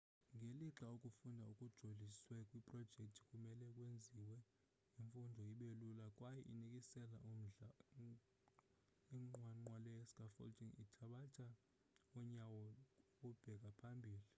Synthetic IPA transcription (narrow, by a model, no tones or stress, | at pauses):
ŋʱeliǁaokʼufundʱaukʼud̥ʒ̥ʱoliswɛkʼwipʼrɔd̥ʒ̥ʱɛk̚tʰi̥kʼumɛlɛkʼwend͡zʱiwɛ | iɱfundʱɔjiɓelulakʼwajɛʔinikʼisɛla̰ʔum̩ɮa | iŋ͡ǃwaŋ͡ǃwalɛɛskʼafɔ̰ltʰʼiŋitʰaɓat͡ʃʼa | ɔɲawɔkub̥ʱɛk̬ʼapʰambʱiːli